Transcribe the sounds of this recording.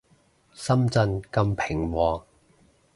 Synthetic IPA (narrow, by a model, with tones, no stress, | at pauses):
sɐ˥mt͡sɐ˧nkɐ˧mpʰɪ˨˩ŋwɔː˧